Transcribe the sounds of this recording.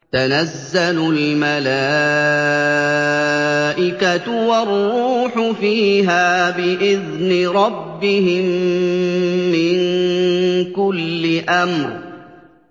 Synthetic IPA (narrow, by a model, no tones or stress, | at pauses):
t̪anazːalʊlmalaː | ʔɪkat̪warˤːuːħʊfiːɦaːbɪʔɪðnɪɾˤɑbːɪhɪm | ɪn | kʊlːɪʔamɾ